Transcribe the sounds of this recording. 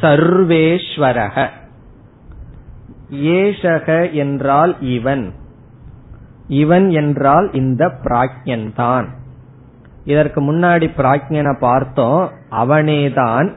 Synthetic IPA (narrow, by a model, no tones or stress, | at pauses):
sɐɾʋeːʂʋɐɾɐɣɐ | eːʂɐɣɐɛndraːlɪʋɐn | ɪʋɐnɛndraːlɪnd̪ɐpɪɾaːk̚ɲɐnt̪aːn | ɪðɐɾkɯmʊnːaːɽipɪɾaːkɲɐnɐpaːɾt̪õːʔɐʋɐneːt̪aːn